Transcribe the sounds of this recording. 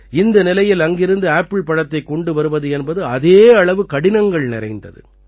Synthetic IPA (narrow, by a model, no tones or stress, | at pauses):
ɪnd̪ɐnɪlɐjɪlɐŋɡɪɾɯnd̪ɯaːpːɪɭpɐɽɐt̪ːɐɪkːɔɳɖɯʋɐɾɯʋɐðɯɛnbɐðɯɐðeːɐɭɐʋɯkɐɽɪnɐŋɡɐɭnɪɾɐ̰ɪnd̪ɐ̰ðɯ̰